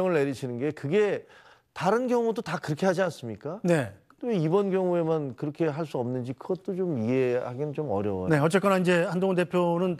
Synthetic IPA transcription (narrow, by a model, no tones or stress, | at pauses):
ʌŋɯɭːeɾiɕʰinɯnɡe̞kɯɡe̞ | taɾɯnɡjʌŋudotakɯɾʌkʰe̞ɦad͡ʑians͈ɯmɲik͈ane̞ | t͈eibʌnɡjʌŋue̞mankɯɾʌkʰe̞ɦaɭs͈uʌmnɯnd͡ʑikɯɡʌt̚t͈ot͡ɕomie̞haɡinɯnt͡ɕomʌ̰ɾjʌwʌ̰ne̞ʌt͡ɕ͈ek͈ʌnaind͡ʑe̞handoŋonde̞pʰjonɯn